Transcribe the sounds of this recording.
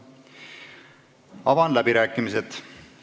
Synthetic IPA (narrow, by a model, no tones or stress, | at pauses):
ɑvɑnlæbiɾæːkːˑimise̞t̪